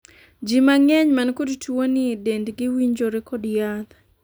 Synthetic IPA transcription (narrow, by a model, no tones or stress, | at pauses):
d͡ʒimaŋɛɲmankodtwonɪedendɡɪwiɲd͡ʒoɾekɔdjad̪